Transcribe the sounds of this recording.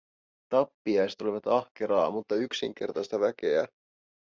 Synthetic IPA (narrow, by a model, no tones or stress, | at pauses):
t̪ɑpːiɑjset̪o̞liʋɑt̪ɑhke̞ɾɑːmut̪ːɑyksiŋk̟e̞rt̪ɑjst̪ɑʋæk̟e̞æ